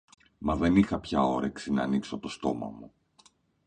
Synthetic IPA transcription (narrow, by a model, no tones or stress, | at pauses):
mɐðe̞nixɐpçɐo̞ɾeksinɐːnikso̞t̪o̞st̪o̞mɐ̰mu